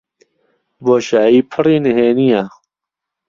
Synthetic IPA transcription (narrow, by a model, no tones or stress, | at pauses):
boːɕaːiːpʰɐɾiːneɦeːnijaː